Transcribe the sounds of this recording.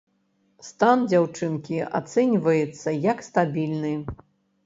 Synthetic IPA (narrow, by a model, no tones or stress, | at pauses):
st̪and͡zʲawt͡ʂɨnkʲia̰t̪sɛnʲvɐjɛt̪sːɐjɐkst̪abʲilʲnɨ